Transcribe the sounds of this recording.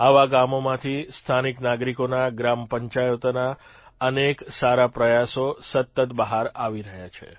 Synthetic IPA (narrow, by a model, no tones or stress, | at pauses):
aʋaɡamomãt̪ʰist̪ʰaniknaɡɾikonaɡɾampəɲt͡ʃajot̪na | əneksaɾapɾəjasosət̪ːət̪bəɦaɾaʋiɾəɦjat͡ʃʰḛ